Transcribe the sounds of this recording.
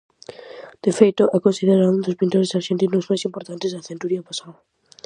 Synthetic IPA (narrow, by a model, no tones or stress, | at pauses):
d̪̥efejt̪ʊʔɛkonsiðeɾaũnd̪ʊspint̪oɾesaɾʃent̪inʊzmajsimpoɾt̪ant̪ɪzðaθẽnt̪uɾiapasa